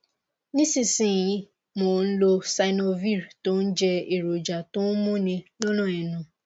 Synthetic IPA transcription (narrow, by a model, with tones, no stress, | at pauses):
nĩ˦si˦si˨jĩ˦ | mo˨n̩˦lo˦sa˨ɪ˦no˦vi˦˨ɾto˦n̩˦d͡ʒɛ˧e˨ɾo˨d͡ʒa˨tʊ˦mʊ˦nĩ˦lo˦no˦ɛ˨nʊ̃˦